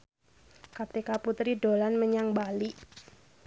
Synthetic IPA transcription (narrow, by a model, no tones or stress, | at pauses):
kat̪ikaput̪ɾido̤lanməɲaŋbaliʔ